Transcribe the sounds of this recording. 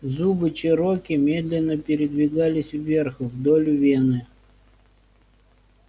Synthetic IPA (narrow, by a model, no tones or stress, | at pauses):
zubɨt͡ʃɪɾokʲɪmʲe̞d̪lʲɪnːəpʲɪɾʲɪd̪vʲɪɡalʲɪsʲvːʲerxvd̪olʲʊvʲenɨ